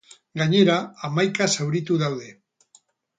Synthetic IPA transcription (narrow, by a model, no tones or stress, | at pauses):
ɡaɲeɾaamajkasawɾit̪uðawðe